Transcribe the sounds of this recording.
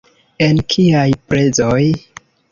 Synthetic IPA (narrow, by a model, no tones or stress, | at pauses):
e̞nkʰiajpɾe̞zo̞j